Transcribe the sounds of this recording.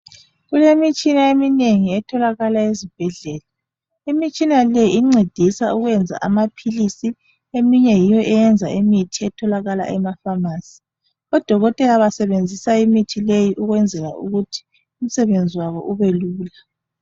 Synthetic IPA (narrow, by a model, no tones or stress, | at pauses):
ɣulemit͡ʃʼinaemineŋiɛtʰɔlaɣalaezib̥ʱɛɮɛːla | imit͡ʃʼinalɛiŋ͡ǀed̥ʱisauɣwɛnd͡zʱa̰ʔa̰mapʰilisi | emiɲɛjijɔʔɛjɛnd͡zʱaemitʰiɛtʰɔlaɣala̰ʔɛmafamaːsi̥ | ɔd̥ʱɔɣɔtʼɛlaβasɛβend͡zʱisaimitʰilejiʔuɣwɛnd͡zʱɛɣa̰ṵɣutʰi̥ | um̩sɛβend͡zʱiwaɣɔʔuβeluːla